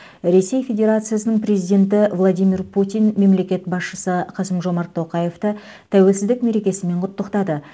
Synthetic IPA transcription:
ɾe̞se̞jfʲe̞dʲe̞ɾat̪sɨjasənəɴpɾe̞zijd̪ʲe̞nt̪ɪvlˠad̪ijmirpʰut̪ʲijnme̞mle̞kʲe̞t̪bɑsʃəsəqʰɑsəmʒo̞mɑɾt̪ʰːo̞qɑje̞ft̪ə | t̪ʰæwe̞lsɪzd̪ɪkme̞ɾe̞kʲe̞sɪme̞ɴqʰʊt̪ːəqt̪ɑd̪ə

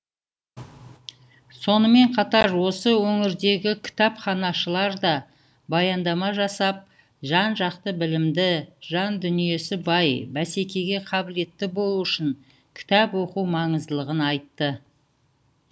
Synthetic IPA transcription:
so̞nəme̞ɴqʰɑt̪ɑɾwo̞səwɵŋɪɾd̪e̞ɡʲɪkʲʰɪ̥t̪ɑpχɑnɑʃəlˠɑɾd̪ɑ | bɑjɑnd̪ɑmɑʒɑsɑp̚ | ʒɑnʒɑqt̪əbɪlɪmd̪ɪʒɑnd̪ʏnije̞sɪbɑjbæse̞kʲe̞ɡʲe̞qʰɑbɪle̞t̪ːɪbo̞lˠuɪʃɪŋ | kʲʰɪ̥t̪æpwo̞quwmɑɴəzd̪əlˠəʁənɑjt̪ːə

